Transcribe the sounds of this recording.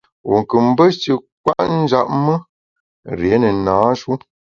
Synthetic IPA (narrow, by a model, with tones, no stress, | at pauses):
wṵ˨ŋ˨kɨ˨m̩˦bə˦t͡ʃə˨k̚wa˦ʔn̩˦d͡ʒa̰˦ʔ̚mə˦ | ɾje˨˦nə˨naː˨˦ʃu˦